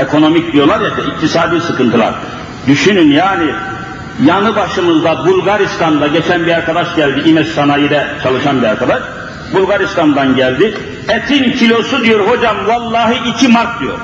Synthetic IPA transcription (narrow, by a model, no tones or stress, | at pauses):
ekʰo̞no̞mic̚d̪ijo̞lˠaɾjɛt̪ʰɛic̚t̪ʰisaːd̪iːsɯkɯnt̪ʰɯlˠa̰ɾ | d̪yʃynynjaːni | janɯbaʃɯmɯzd̪abulˠɡaɾist̪ʰand̪aɟet͡ʃʰænbiaɾkad̪aʃɟælʲd̪iimɛʃsanajid̪ɛt͡ʃʰalˠɯʃanbiaɾkad̪aʃ | bulˠɡaɾist̪ʰand̪anɟælʲd̪i | ɛt̪ʰincʰilʲo̞sud̪ijo̞ɾho̞d͡ʒamvalˠːaːɦɯʔicʰimaɾt̪̚d̪ijo̞̰ɾ